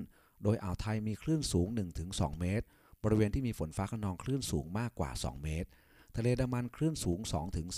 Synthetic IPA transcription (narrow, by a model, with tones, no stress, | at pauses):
n | doː˧jʔa̰˨˩wt̪ʰa˧jmiː˧kʰɾɯː˥˩nsuː˩˦ŋnɯ˨˩ŋt̪ʰɯ˩˦ŋsɔ̰ː˩˦ŋmeː˦˥t̪̚ | bɔː˧ɾi˦˥weː˧nt̪ʰiː˥˩miː˧fo˩˦nfaː˦˥kʰa˧nɔː˧ŋkʰɾɯː˥˩nsuː˩˦ŋmaː˥˩kːwa̰ː˨˩sɔ̰ː˩˦ŋmeː˦˥t̪̚ʰː | a˧leː˧da˧mːa˧nkʰlɾɯː˥˩nsuː˩˦ŋsɔ̰ː˩˦ŋt̪ʰɯ˨˩˦ŋ